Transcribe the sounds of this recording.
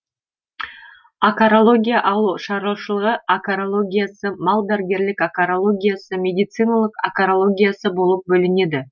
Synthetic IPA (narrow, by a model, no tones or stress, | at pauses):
akaɾolˠo̞ɡʲijaʔɑlˠuʃɑɾʃəlˠəʁəakaɾolˠo̞ɡʲijasəmɑlˠd̪æɾɡʲe̞ɾlɪkakaɾolˠo̞ɡʲijasəmʲe̞d̪ijt̪sɨjnalˠəqakaɾolˠo̞ɡʲijasəbo̞lˠəp̚bɵlɪne̞d̪ɪ